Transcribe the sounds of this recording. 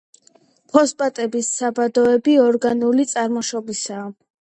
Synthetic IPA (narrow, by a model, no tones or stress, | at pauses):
pʰɔspʼat̪ʼɛbisːabad̪ɔɛbiɔɾɡanulit̪sʼaɾmɔʃɔbisaː